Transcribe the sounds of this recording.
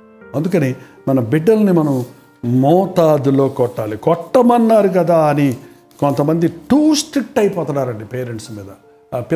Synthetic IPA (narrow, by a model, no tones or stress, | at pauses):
ɐnd̪ukɐni | mɐnɐbiɖːɐlnimɐnɐm | mɔːt̪aːd̪ulo̞ːkɔʈːaːlikɔʈːɐmɐnːaːɾuk̬ɐd̪aːɐni | kɔnt̪ɐmɐnd̪iʈuːsʈɾik̚ʈɐjpɔːt̪ɐnːaːɾɐɳɖipe̞ːɾe̞ɳʈsmiːd̪ɐ | pi